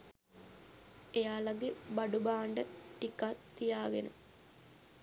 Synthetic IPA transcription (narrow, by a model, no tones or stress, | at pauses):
ejaːlɐɡebɐɖubaːɳɖəʈikːat̪ːijaːɡenṵ